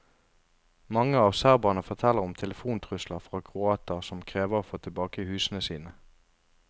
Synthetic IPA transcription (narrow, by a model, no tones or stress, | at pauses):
mɑŋəɑːʋsæːʁbɑnəfɔt̪ʰɛlːəʁʊmt̪ʰɛləfuːnt̪ʰʁʉsləʁfʁɑːkʰʁʊɑːt̪əʁsɔmkʰʁeːʋəʁoːfoːt̪ʰɪlbɑːkəhʉːsənəsiːnə